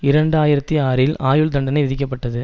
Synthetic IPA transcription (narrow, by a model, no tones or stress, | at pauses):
ɪɾɐɳɖaːjɪɾɐt̪ːiaːɾɪlaːjɯɭd̪ɐɳɖɐnɐɪʋɪðɪk̬ʲːɐpːɐʈːɐðɯ